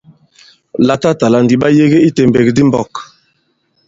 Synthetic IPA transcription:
la˨ta˦ta˨la˨n˨di˨ɓa˦je˦ɡe˦i˦te˨mbe˨kdi˦mbɔ˦˨k

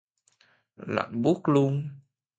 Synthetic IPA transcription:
la̰ː˧˨nɓu˦˥k̚lu˧ŋ

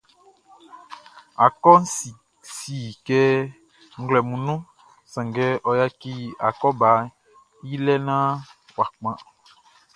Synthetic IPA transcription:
a˨kɔ˦n̩˦si˨ | si˨kɛ˦ | ŋ̩˦ɡlɛ˨mũ˨nũ˦ | sã˨ŋɡɛ˦ʔɔ˨ja˦ki˦a˨kɔ˦ba˨˦ | ji˦lɛ˦nã˦ | wa˨k͡pã˦

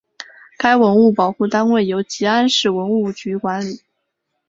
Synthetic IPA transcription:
ka˥ɪwə˧˥nu˥˩pɑ˨˩ʊxu˥˩t̪a˥nwe˥˩ɪjo˧˥ʊt͡ɕi˧˥a˥nʂɻ̩˥˩wə˧˥nu˥˩t͡ɕy˧˥kwa˧˥nli˨˩˦

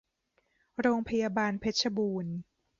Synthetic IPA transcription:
ɾoː˧ŋpʰa˧jaː˧baː˧npʰe˦˥t̪̚sʰa˧buː˧n

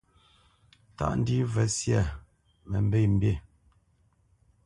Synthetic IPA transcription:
ta̰˦ʔn̩˦di˦vɛ˨sja˨ | mɛ˨m̩˦be˦˨m̩˦bje˦˨

